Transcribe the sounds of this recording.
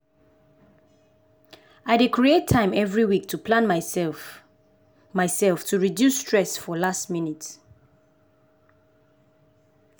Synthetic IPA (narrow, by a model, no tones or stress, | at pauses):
aɪdekʰɹietʰːãɪ̃mɛvɹiwik̚tʰupʰlãn | maɪsɛlftʰuɹidjusːtɹɛsfɔlastminit